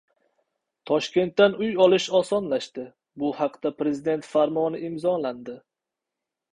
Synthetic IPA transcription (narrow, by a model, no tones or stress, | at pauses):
t̪ʰɒʃkʲe̞nt̪ːanʊjɒlˠɪʃɒsɒnlaʃt̪ɪ | bʊhaqd̪apɾe̞zɪd̪e̞nt̪faɾmɒnɪɪmzɒland̪ɪ